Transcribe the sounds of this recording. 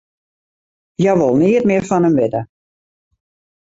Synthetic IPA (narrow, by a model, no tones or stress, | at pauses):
jɛʋolˠniətmɪərfɔnəmʋɪdə